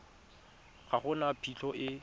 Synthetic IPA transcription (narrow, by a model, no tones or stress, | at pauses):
χaχʊnapʰiɬʰɔʔɪ